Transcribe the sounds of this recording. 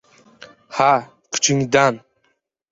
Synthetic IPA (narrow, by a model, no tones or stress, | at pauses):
ha | kʰy̥t͡ʃʰiŋd̪an